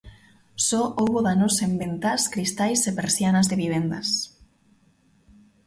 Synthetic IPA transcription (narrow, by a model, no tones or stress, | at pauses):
sɔʔowβoðanosembent̪askɾist̪ajsepeɾsjanazðeβiβ̞end̪as